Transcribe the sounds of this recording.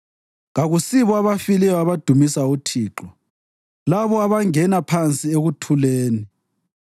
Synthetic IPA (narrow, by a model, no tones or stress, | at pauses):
ɣaɣusiβɔaβafilɛjɔaβad̥ʱumisautʰiːǁɔ | laβɔaβaŋɛnapʰant͡sʼieɣutʰuleːni